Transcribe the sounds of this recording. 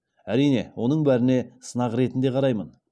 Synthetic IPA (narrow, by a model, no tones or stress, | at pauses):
æɾijne̞̰wo̞nəɴbæɾɪne̞sənɑʁɾe̞t̪ɪnd̪e̞qʰɑɾɑjmən